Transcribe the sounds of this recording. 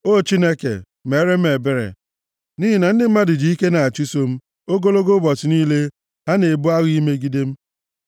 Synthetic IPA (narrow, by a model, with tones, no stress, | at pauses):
o˦˨t͡ʃi˦ne˦kḛ˨ | me˨˦ɾe˦m̩˦e˨be˦ɾḛ˨ | ni˦ɦi˦na˨n̩˦dɪ˦m̩˦ma˦dɪ˨d͡ʒi˨i˦ke˦na˨a˨t͡ʃu˦so˦m̩˦ | o˦ɡo˦lo˦ɡo˦bɔ˨sɪ˨niː˦le˦ | ɦa˦ne˨bʊ˦a˦ɣi˦me˦ɡi˦de˦m̩˦